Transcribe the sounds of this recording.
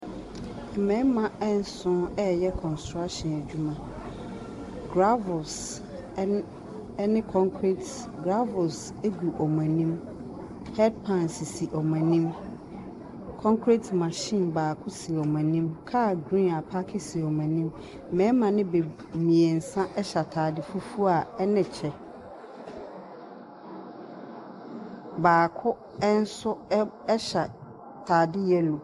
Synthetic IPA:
ɛ˨mɛ̃˨˦mã˨ɛ˦n̩˦sʊ̃˦ɛ˦jɛ˦kʰɔ̃˨nstɾa˦ʃɔ̃˨næ˨d͡ʑᶣu˦mã˨ | ɡ̥ɾa˦vʊ˨ls | nɪ̃˦kʰɔ̃˦ŋkʰɾi˦t | ɡɾa˦vʊ˨ls | e˦ɡu˨ʔɔ˨mã˨nĩ˦m | hɛ˦d̚pʰã˦nsi˨si˨ʔɔ˨mã˨nĩ˦m | kʰɔ̃˦ŋkʰɾi˦tmã˨ɕɪ̃˦˨nbaː˨kʰʊ˦si˨ɔ˨mã˨nĩ˦mkʰaː˦˨ɡɾĩ˦n˨a˨pʰa˦kʰɪ˦si˨ɔ˨mã˨nĩ˦m˨ | mɛ̃˨˦mã˨nɪ̃˦be˨ | mĩ˨ɛ˨n̩˨sã˦ʔɛ˦ɕa˨tʰaː˨dɪ˦fu˦fu˦a˨ɛ˦nɪ̃˨t͡ɕʰɛ˨ | baː˨kʰʊ˦ | ɛ˦n̩˦sʊ˦ | ɛ˦ɕa˨ | tʰaː˨dɪ˦jɛ˦lo˨

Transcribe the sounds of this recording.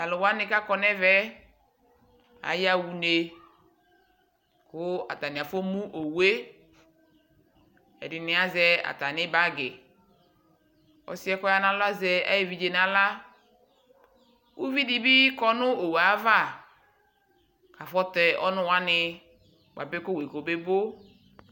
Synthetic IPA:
a˨lʊ˨wa˦nɪ˦ka˦kɔ˦nɛ˦vɛ˦ | a̰˨˦ja˦wu˨ne˨ | kʊ˦a̰˨ta˨nɪ̃˨a˨fo˦mũ˦ʔo˨we˦ | ɛ̰˨dɪ˨nɪ̃˨a˦zɛ˦a̰˨ta˨nɪ̃˦ba˦ɡɪ˨ | ɔ̰˦si˦ɛ˦kɔ˦ja˦nã˦lʊ˦a˦zɛ˦a̰˦je˦vi˨d͡ʒe˨na˨la˦ | wu˦vi˦di˦bi˦kɔ˦nʊ˦o˨wa˨˦va˦˨ | ka˨fɔ˦tɛ˨ʔɔ̰˦nʊ̃˦wa˦nɪ˦ | wa˨be˦kʊ˦we˨ko˨be˦bo˦

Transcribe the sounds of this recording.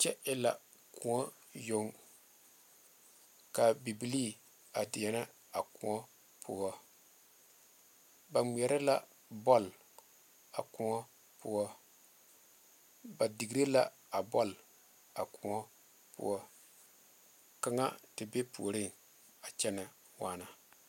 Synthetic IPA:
t͡ʃɛ˦ʔɪ˦la̰˨ | kʰu˨ŋɔ˦ | jo˦ŋ | ka˨bi˨bi˨li˦ | a˨dɪ˨ɛ˦na˦ | a˨ku˨ŋɔ˦ | pʰɔ˦ | ba˨ŋ͡mi˨ɛ˨ɾɪ˦la˦ | bɔ˦l | a̰˨ku˦ŋɔ˦ | pu˦ɔ˦ | ba˨di˨ɡɾe˦la˦ | a˨bɔ˦l | a̰˨ku˨ŋɔ˦ | pʊ̰˦ɔ˦ | ka˦ŋa̰˦tɪ˨be˦pʰṵ˨o˨ɾɪ˦ŋ | a˨t͡ʃɛ˦nɪ˨ | waː˨na˨

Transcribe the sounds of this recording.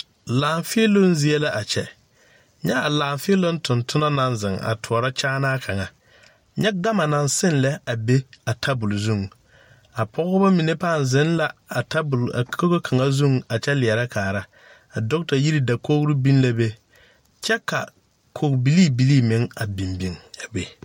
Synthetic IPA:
laː˨ɱfɪ˦e˦lo˦nzɪ˦ɛ˦la˦ʔa˨t͡ʃɛ˨ | ɲɛ˦a˨laː˨ɱfɪ˦e˦lo˦n˦tʊ˨ntʊ˦na˦na˦nzɪ˨ŋa̰˨tʰʊ˨ɔ˨ɾa˦t͡ʃaː˦naː˦kʰa˨ŋa˨ | ɲɛ˦ɡa˦ma˨na˨nsɪ˦nlɛ˦a˨be˦a˨tʰa˦bʊ˨lzu˦˨ŋ | a˨pʰɔ˦ɣʊ˦ba˦mi˨ne˦paː˦˨n˨zɪ˦nla˦a˨ta˦bʊ˨la˨˦ko˦ɣo˦kʰa˨ŋa˦zu˦˨ŋ˨a˨t͡ʃɛ˦lɪ˨ɛ˨ɾa˦kʰaː˨ɾa˦ | a˨dʊ˦k̚ta˨ji˦ɾi˦da˨ko˦ɣɾi˦bi˦n˦la˦be˦ | t͡ʃɛ˦ka̰˨ | kʰo˨kbi˨˦liː˦˨bi˨liː˦mɪ˨˦ŋa˨bi˨mbi˨ŋa˨be˨

